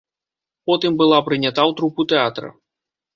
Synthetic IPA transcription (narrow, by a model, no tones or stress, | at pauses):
pɔt̪ɨmbɨlˠapɾɨnʲat̪awt̪ɾuput̪ɛat̪ɾɐ̰